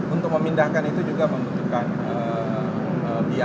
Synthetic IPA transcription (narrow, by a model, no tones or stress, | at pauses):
unt̪ʊk̚məmindahkanit̪ud͡ʒuɡaməmbunt̪ukan | ə | əbia